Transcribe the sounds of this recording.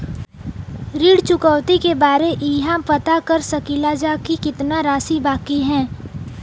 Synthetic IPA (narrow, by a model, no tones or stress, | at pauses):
ɾiːɽt͡ʃʊkəwt̪ikebaːɾeʔiɦãpɐt̪akɐɾsɐkilaːd͡ʒakikɪt̪naɾaːsibaːkiɦɛ̃ː